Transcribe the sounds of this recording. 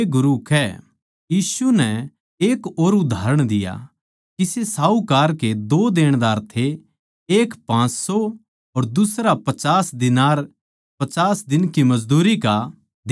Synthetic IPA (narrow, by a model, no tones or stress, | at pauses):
ɡʊɾukʰɛ | jiːsunɛ | eːkoːɾʊd̪ʱaːɾəɽ̃d̪ɪja̰ | kisesaːukaːɾked̪oːd̪eːɽ̃d̪aːɾt̪ʰe | eːkpãːt͡ʃsɔ | ɔɾd̪ʊsɾapɐt͡ʃaːsd̪ɪnaːɾ | pɐt͡ʃaːsd̪ɪnkimɐd͡ʒd̪uːɾika | d̪